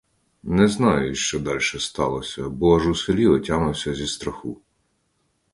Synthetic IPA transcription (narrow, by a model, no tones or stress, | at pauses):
nɛznɑjʊʃt͡ʃɔd̪ɑlʲʃɛst̪ɑlˠɔsʲɐbɔɐʒuselʲiɔtʲanʊwsʲɐzʲist̪ɾɐxu